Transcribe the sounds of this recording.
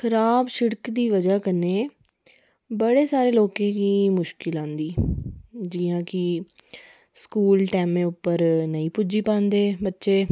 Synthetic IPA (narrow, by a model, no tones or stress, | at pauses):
xʰəɾaːbʃɪɽkd̪iːʋəd͡ʒaːkəneː | bəɽeːsaːɾeːloːkẽːkiːmʊʃkɪlãːnd̪iː | d͡ʒɪːãːkɪ | skuːlʈɛːmẽːʊpːəɾnəĩːpʊd͡ʒiːpãːnd̪eːbətːʃeː